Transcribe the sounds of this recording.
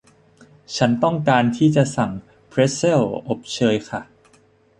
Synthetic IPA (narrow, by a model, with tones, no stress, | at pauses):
t͡ɕʰa˦˥nt̪ɔ˥˩ŋkaː˧nt̪ʰiː˥˩t͡ɕa˨˩sa˨˩ŋ | pʰɾe˦˥se˥˩lʔo˨˩p̚t͡ɕʰɤː˧jkʰa˥˩